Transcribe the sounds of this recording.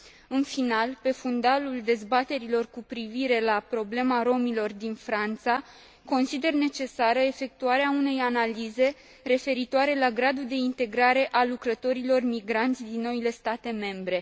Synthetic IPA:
ɨnfinalpe̞fund̪aluld̪e̞zbat̪e̞ɾilo̞rkupɾiviɾe̞lapɾo̞ble̞maɾo̞milo̞rd̪infɾant̪sa | ko̞nsid̪e̞rne̞t͡ʃe̞saɾəe̞fe̞k̚t̪uaɾeaune̞janalize̞ | ɾe̞fe̞ɾit̪oaɾe̞laɡɾad̪ud̪e̞int̪e̞ɡɾaɾe̞ʔalukɾət̪o̞ɾilo̞rmiɡɾant̪sʲd̪inːo̞ile̞st̪at̪e̞me̞mbɾe̞

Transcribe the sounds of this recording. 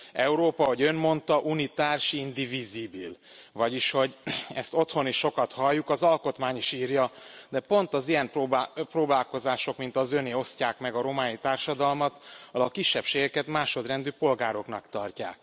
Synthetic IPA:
ɛuɾoːpɒɦo̞ɟø̞nmo̞nt̪ɒʔunit̪aːrʃind̪ivizibil | vɒɟiʃho̞ɟɛ̰st̪o̞t̪ho̞niʃːo̞kɒt̪hɒlːukɒzɒlko̞t̪maːɲiʃiːrjɒd̪ɛpo̞nt̪ɒzijɛmpobproːbaːlko̞zaːʃo̞kmint̪ɒzø̞neːo̞scaːkmɛɡɒɾo̞maːnit̪aːrʃɒd̪ɒlmɒt̪ɒlɒkːiʃːɛpʃeːɡɛkɛt̪maːʃo̞d̪rɛnd̪yːpo̞lɡaːɾo̞knɒkt̪ɒrca̰ːk̚

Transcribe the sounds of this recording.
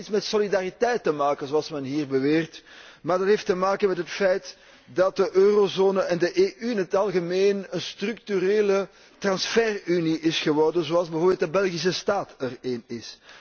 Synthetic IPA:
tsmɛtsolidaritɛjtːəmaːkənzoɑlˠsmɛnɦiːrbəʋeːrtmaːrdɑtɦeːftəmaːkənmɛtɦətfɛjt | dɑt̚dəʔøːrozoːnəʔɛndəʔeːʔyɪnɦətɑlˠɣəmeːnənstrʏk̚tyɾeːlə | trɑnsfɛryniʔɪsxəʋɔrdənzoɑlˠzbəvoːrbeːlt̚dəbɛlˠɣis̬əstaːtəreːnɪs

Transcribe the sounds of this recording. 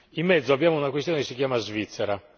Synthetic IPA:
imːɛd̪zːoabːjaːmounakwest̪jɔːnɛkesːikjaːmazvit̪sːɛɾa

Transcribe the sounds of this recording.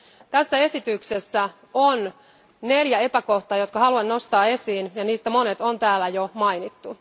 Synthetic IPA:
t̪æsːæe̞sit̪yksesːæ | on | ne̞ljæe̞pæko̞ht̪ɑːjo̞t̪kɑhɑluɑnno̞st̪ɑːe̞siːnjɑniːst̪æmo̞ne̞t̪ont̪æːlːæjomɑjnit̪ːu

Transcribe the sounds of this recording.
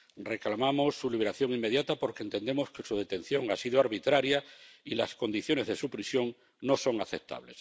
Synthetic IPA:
re̞klamamo̞sːuliβeɾaθjo̞ŋimːe̞ðjat̪apo̞ɾkent̪e̞nd̪emo̞ske̞suð̞et̪e̞n̟θjo̞ŋasiðoaɾβit̪ɾaɾjailasko̞nd̪iθjo̞ne̞zðe̞supɾisjo̞ŋ | no̞so̞ŋaθep̚t̪a̰βle̞s

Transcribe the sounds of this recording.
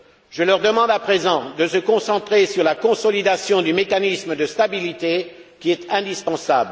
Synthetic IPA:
ʒ̥əlœʁd̪əmɑ̃d̪apχezɑ̃d̪əsəkɔ̃sɑ̃t̪χesyʁlakɔ̃sɔlid̪asjɔ̃d̪ymekanisməd̪əst̪abilit̪ekʲiɛt̪ɛ̃d̪ispɑ̃sabl

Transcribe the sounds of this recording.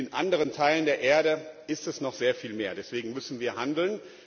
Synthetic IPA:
ɪnʔandəʁ̞əntʰaɪləndeːɐʔeːɐɾəʔɪstɛsnɔχz̥eːɐfiːlmeːɐdɛsv̥eːɡŋ̩mʏsn̩viːɐhandl̩n

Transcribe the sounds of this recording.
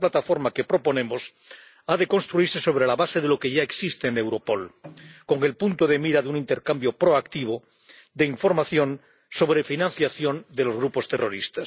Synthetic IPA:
plat̪afo̞ɾmake̞pɾo̞po̞nẽ̞mos | aðe̞ko̞nst̪ɾuiɾse̞so̞β̞ɾe̞laβaseðelokeʝaeksist̪eːne̞wɾo̞po̞lko̞ŋe̞lpunt̪oð̞emiɾaðunĩnt̪e̞ɾkambjo̞pɾoakt̪iβ̞o | ðeiɱfo̞ɾmaθjo̞n | so̞β̞ɾefinãnθjaθjo̞nd̪elo̞zɣɾupo̞st̪e̞rʔo̞̰ɾist̪as

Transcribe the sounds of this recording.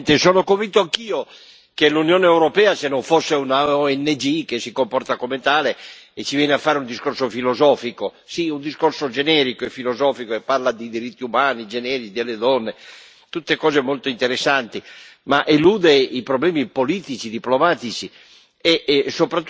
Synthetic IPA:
nt̪esoːnokovint̪oaŋkiːo | kelunjoːneewɾopɛːasenːoɱfosːeunaɔɛnːed͡ʒik̟esːikompɔrt̪akomet̪aːleːt͡ʃːivjɛːneafːaːɾeund̪iskorsofilozɔːfiko | siund̪iskorsod͡ʒenɛɾikoefːilozɔːfikoepːarlad̪id̪iɾit̪ːiumaːnid͡ʒenɛːɾit͡ʃid̪elːed̪ɔnːe | t̪ut̪ːekɔːzemolt̪oint̪eɾesːant̪imaʔeluːd̪eipɾoblɛːmipoliːt̪it͡ʃid̪iplomaːt̪it͡ʃi | esopɾat̪ː

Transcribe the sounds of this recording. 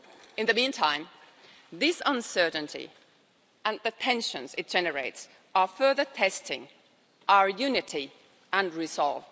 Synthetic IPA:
ɨ̃nðɨmĩntʰãɪ̃m | ðɪsə̃nsɜ˞ʔn̩tʰḭ | ə̃nðɨpʰɛ̃nʃə̃nzɨt̚d̥ʒ̥ɛnə˞eɪts | əfɜ˞ðə˞tʰɛstʰɪ̃ŋ | ʔaʊə˞jʉnɨɾi | ə̃nɹɪzɔ̰lˠv

